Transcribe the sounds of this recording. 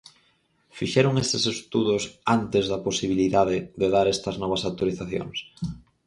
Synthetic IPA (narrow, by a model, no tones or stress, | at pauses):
fiʃeɾoŋest̪esest̪uðosant̪ezðaposiβ̞iliðaðeðeðaɾɛst̪ɐznɔβ̞ɐsawt̪oɾiθaθjo̰ŋs